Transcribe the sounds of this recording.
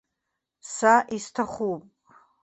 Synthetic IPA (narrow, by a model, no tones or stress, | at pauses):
saʔistʰaχʷupʼ